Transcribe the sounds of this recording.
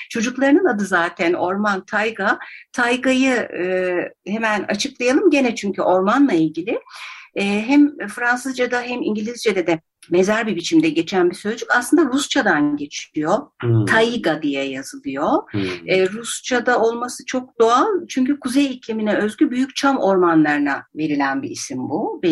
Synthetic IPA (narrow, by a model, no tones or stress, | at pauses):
t͡ʃʰo̞d͡ʒuklˠaɾɯnɯnad̪ɯzaːt̪ʰæno̞ɾmant̪ʰajɡat̪ʰajɡajɯɯhemæna̰t͡ʃʰɯklˠajalˠɯmɟe̞nɛt͡ʃʰyɲcʰyʔo̞ɾmanlˠailʲɟilʲɪɛːɦɛmfɾansɯzd͡ʒad̪aɦɛmiɲɟilʲizd͡ʒed̪ɛd̪ɛ | me̞zæɾbibit͡ʃʰimd̪ɛɟe̞t͡ʃʰænbisø̞zd͡ʒycaslɯnd̪aɾust͡ʃʰad̪anɟe̞t͡ʃʰiijo̞t̪ʰajiɡad̪ijɛjazɯlˠɯjo̞ɛːɾust͡ʃʰad̪ao̞lˠmasɯt͡ʃʰo̞k̚d̪oalˠt͡ʃʰyɲcykʰuzejiclʲiminɛøzɟʲybyjyc̚t͡ʃʰamo̞ɾmanlˠaɾɯnave̞ɾilʲænbiisimbube